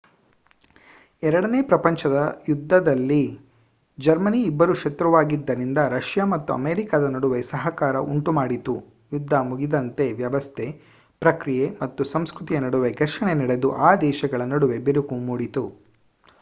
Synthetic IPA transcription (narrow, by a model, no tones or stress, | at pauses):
ɛɾɐɽɐneːpɾɐpɐɲt͡ʃɐd̪ɐjud̪ʱːɐd̪ɐlːi | d͡ʒɐɾmɐniːbːɐɾuʃɐt̪ɾɐʋaːɡid̪ːɐɾind̪ɐɾɐʃjamɐt̪ːuɐ̰meːɾikɐd̪ɐnɐɽuʋesɐɦɐkaːɾɐʔuɳʈumaːɽit̪u | jud̪ʱːɐmuɡid̪ɐnt̪e̞ʋjɐʋɐst̪ʰe̞ | pɾɐkɾijemɐt̪ːusɐmskɾut̪ijenɐɽuʋeɡɐɾʂɐɳenɐɽe̞d̪uʔaːd̪ɛːʃɐɡɐɭɐnɐɽuʋe̞beɾukumuːɽit̪u